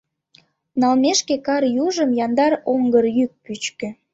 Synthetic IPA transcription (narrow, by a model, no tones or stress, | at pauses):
nɑlmeʃkekɑɾjuʒəmjɑnd̪ɑɾoŋɡərjyk̚pyt͡ɕkø